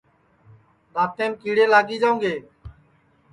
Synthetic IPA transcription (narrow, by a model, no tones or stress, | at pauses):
ɗaːt̪ẽːnkiːɽeːlaːɡiːd͡ʒaːũŋɡeː